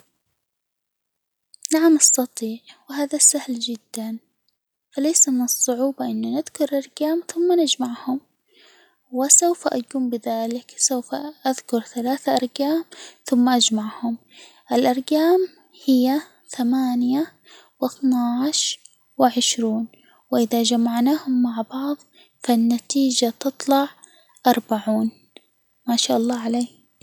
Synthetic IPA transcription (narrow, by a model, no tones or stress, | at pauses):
naʕamʔɑst̪ɑt̪ˤiːʕwɪɦaːðasahld͡ʒɪd̪ːan | faleːsamɪnɨsˤːʊʕuːbɑʔɪnːʊnɪðkʊɾˤʔɑɾˤɡaːmθʊmːanɪd͡ʒmaʕhʊm | wɪsawfaʔakuːmbɪðaːlɪksawfaʔaðkʊɾθalaːθaʔɑɾˤɡaːmθʊmːaʔad͡ʒmaʕhʊm | ʔɪlʔɑɾˤɡaːm | hɪjːa | θamaːnja | wɪθnaʕʃ | wɪʕɪʃɾuːn | wɪʔɪðad͡ʒamaʕnaːhʊmːaʕbɑʕðˤ | fanːat̪iːd͡ʒat̪ɨt̪ˤlɑʕ | ʔɑɾˤbaʕuːn | maːʃaːʔɑlˤːɑːʕaleː